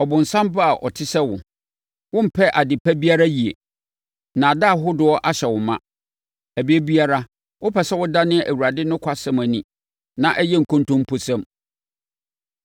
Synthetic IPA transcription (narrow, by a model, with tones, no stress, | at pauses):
ɔ˨bʊ̃˨n̩˨sã˦mba˦a˨ʔɔ̰˨tʰɪ˦sɛ˦wʊ̰̃˨ | wʊ̃˦m̩˨pʰɛ˦ʔa˨dɪ˨pʰæ˦bi˦a˦ɾa˦ji˨e˨ | nã˨da˦˨ɦʊ˦dʊ˨˦ɔ˦ʔa˦ɕɛ˨wʊ˨mã˦ | æ˨bi˦e˦bi˦a˦ɾa˦ | wʊ˦pʰɛ˨sɛ˦wʊ˦da˦nɪ̃˦ʔæ˨wu˨ɾa˨dɪ˦nʊ̃˦kʷʰa˦sɛ̃˦mæ̃˨nĩ˨ | nã˨ʔɛ˦jɛ˦ŋ̩˨kʰʊ̃˦ntʊ̃˦mpʰʊ˦sɛ̃˦m